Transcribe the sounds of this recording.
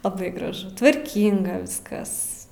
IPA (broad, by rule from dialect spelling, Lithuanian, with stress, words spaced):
lˠɐˈbɐɪ ɡrɐˈʒʊ tʋɐrʲˈkʲiːŋɡɐ ˈʋʲɪskɐs